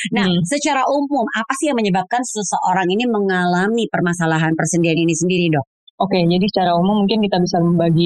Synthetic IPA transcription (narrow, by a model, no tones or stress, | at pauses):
nasət͡ʃaɾaʔumʊmapasɪhjaŋməɲəbap̚kansəsəʔoɾaŋiniməŋalamipərmasalaɦanpərsəndianinisəndiɾidɔk̚ | oked͡ʒadisə̥t͡ʃaɾaumʊmːuŋkɪnkit̪abisaməmbaɡi